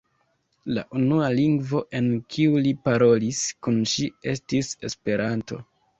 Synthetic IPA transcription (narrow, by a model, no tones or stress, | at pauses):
la̰ʔunualiŋɡvo̞ʔe̞nkʰiulipaɾo̞liskunʃie̞stise̞spe̞ɾanto̞̰